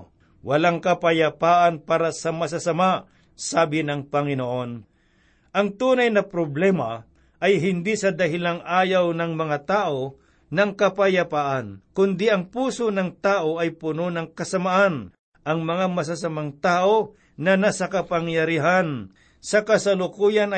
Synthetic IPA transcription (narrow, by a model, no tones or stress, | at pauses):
wɐlaŋkɐpɐjɐpaːʔɐnpaːɾɐsɐmɐs̬asɐma | saːbɪnɐŋpɐŋɪnoʔo̞n | ʔɐŋt̪uːnɐjnɐpɾoblɛːmɐ | ʔɐjɦɪnd̪isɐd̪ɐɦɪlaŋʔaːjawnɐŋmɐŋat̪aːʔo̞ | nɐŋkɐpɐjɐpaːʔɐnkʊnd̪iʔɐŋpuːsonɐŋt̪aːʔo̞ʔɐjpʊnonɐŋkɐsɐmaʔan | ʔɐŋmɐŋamɐs̬asɐmaŋt̪aːʔo | nɐnasɐkɐpɐŋjɐɾiɦan | sɐkɐsɐlʊkuːjɐn